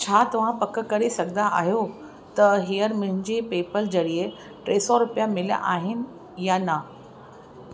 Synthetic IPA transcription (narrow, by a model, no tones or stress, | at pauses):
t͡ɕʰaːt̪ɐʋ̤ãpɐkəkɐɾisɐɡʱnaʔa̰ːɦijo | t̪ɐɦijəɾmʊ̃ɦɪ̃ɲd͡ʑiːpeːpəld͡ʑɐɽie | ʈɾeːsɔɾʊpijamɪlja̰ʔaːɦɪnɪ̆ | janɐ